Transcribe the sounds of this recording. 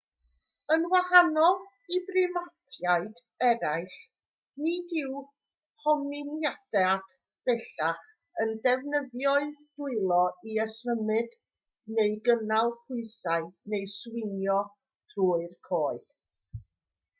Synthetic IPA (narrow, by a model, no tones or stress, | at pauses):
ənwahanɔlˠ | ibrɪmatʰjaɨd | ɛɾaɨɬ | nidɪw | hɔmɪnjad̥ɛad̥ | b̥ɛɬaχ | əndɛvnəðjɔɨd̥ʊɨlˠɔiəsəmɨd | neɨɡənalˠpʰʊɨsaɨnejswɪnjɔ | tʰruːɨrkʰoːɨd̥